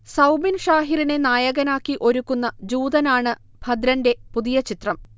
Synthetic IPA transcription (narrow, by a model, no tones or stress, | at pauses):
sɐwbinʂaːɦiɾine̞naːjɐɣɐnaːkːiʔo̞ɾukːunːɐd͡ʑuːd̪ɐnaːɳɨ | bʱɐd̪ɾɐnde̞puðijɐt͡ɕit̪rɐm